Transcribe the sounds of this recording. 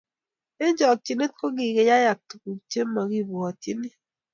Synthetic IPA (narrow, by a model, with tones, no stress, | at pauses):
e˦ɲd͡ʒɔ˨k̚t͡ʃi˨ne˦t̚ko˦ɡi˨ɡe˦ja˦ja˨k̚tu˨ku˨kt͡ʃe˦mːa˨ɡi˦bɔ˨t͡ʃi˦ni˦